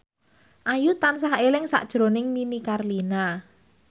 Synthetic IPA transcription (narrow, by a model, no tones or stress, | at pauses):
ʔajut̪ansaɦelɪŋsa̰ʔd̥ʒ̥ɾo̤nɪŋminikarlina